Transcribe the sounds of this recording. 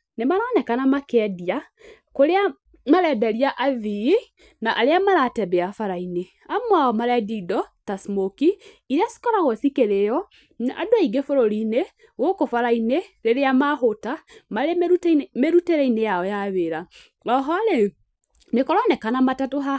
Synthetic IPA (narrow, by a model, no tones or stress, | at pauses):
nemaɾɔnɛkanamakɛdia | koɾea | maɾɛdaɾiaʔavii | naʔaɾeamaɾatɛbɛafaɾaine | amwaɔmaɾɛdidɔtasmoki | iɾeasi̥kɔɾaɣɔsikeɾejɔ | adoaiɡefoɾoɾine | ɣokofaɾaineɾeɾeamaɦotamaɾmeɾuteɾɛinejaɔjaβeɾa | ɾɔɦɔɾe | mekɔɾɔnɛkanamatatoɦa